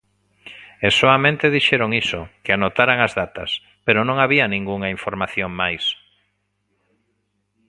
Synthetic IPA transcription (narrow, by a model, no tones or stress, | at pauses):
esoamẽnt̪eðiʃɛɾoŋisokɪanot̪aɾaŋazðat̪ɐ̰s | peɾonõŋaβiɐnĩŋɡuŋaiɱfoɾmaθjoŋmajs